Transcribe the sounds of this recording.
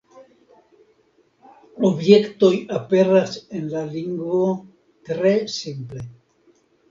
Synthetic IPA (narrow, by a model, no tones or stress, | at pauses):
obje̞kt̪o̞jape̞ɾasenlaliŋɡvo | t̪ɾe̞simple